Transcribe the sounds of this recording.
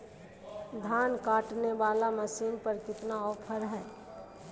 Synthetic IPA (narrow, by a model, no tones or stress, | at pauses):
d̪ʱaːnkaːʈneʋaːlaməsiːnpəɾkɪt̪naɔːpʰəɾɦɛː